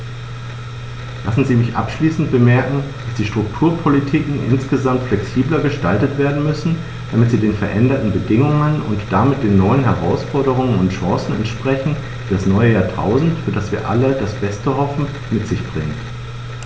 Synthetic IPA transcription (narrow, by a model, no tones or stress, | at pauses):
lʔasn̩ziːmɪçʔa̰pʃliːsn̩t̚b̥əmɛɐkŋ̩d̥asd̥iːʃtʁ̥ʊktʰuːɐpʰolitʰiːkŋ̩ʔɪ̰nsɡ̥əzamtflɛksiːblɐɡəʃtaltətv̥eːɐdn̩mʏsn̩ | d̥amɪtz̥iːdeːnfɛɐʔɛndɐtn̩bədɪŋʊŋənʊ̰ntd̥amɪt̚d̥eːnːɔʏənɦɛʁ̞aʊsfɔɐɾəʁ̞ʊŋənʊntʃãːsn̩ɛ̰ntʃpʁ̥ɛçn̩ | fiːdasnɔʏəjaːɐtʰa̰ʊzn̩tfyːɐdasv̥iːɐʔa̰lədasb̥ɛstəhɔfn̩ | mɪtz̥ɪçb̥ʁɪŋt